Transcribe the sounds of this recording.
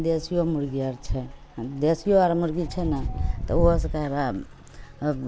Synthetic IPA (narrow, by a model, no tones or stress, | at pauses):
d̪esijomuɾɡiəɾt͡ʃʰɛ | d̪esijoaɾmuɾɡit͡ʃʰɛnat̪ɔ̰oskaɾa